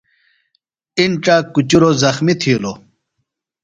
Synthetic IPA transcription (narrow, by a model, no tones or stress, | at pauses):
iɳʈakut͡ɕuɾozɐxmit̪ʰiːlo